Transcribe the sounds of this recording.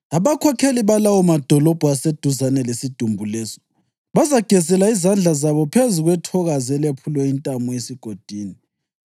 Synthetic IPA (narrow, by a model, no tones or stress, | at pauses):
aβakʰɔkʰeliβalawumad̥ʱɔlɔb̥ʱuased̥ʱuzanɛlesid̥ʱumbʱulɛːsɔ̥ | βazaɡ̥ʱɛzɛlaizand͡ɮʱazaβɔpʰezuɣwɛtʰɔɣazɛlepʰulwɛintʼamuesiɡ̥ʱod̥ʱiːni